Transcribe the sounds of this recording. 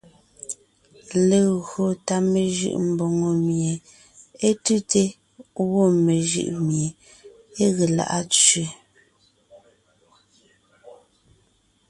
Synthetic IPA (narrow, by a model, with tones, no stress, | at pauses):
le˨ɣɰo˨ta˦me˨ʒʉ̰˦˨ʔm̩˨bo˨ŋo˨mje˨ | e˦tʉ˦te˦ | ɣo˦˨me˨ʒɯ̰˦˨ʔmje˨ | e˦ɣe˨la̰˨ʔa˦t͡sɥe˨